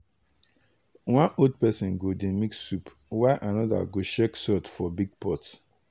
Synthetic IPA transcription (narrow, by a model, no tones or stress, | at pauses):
wãnod̚pɛsɔ̃nɡodemiksup | waʔanɔda̰ɡoʃɛksɔtfɔbiɡ̚pɔt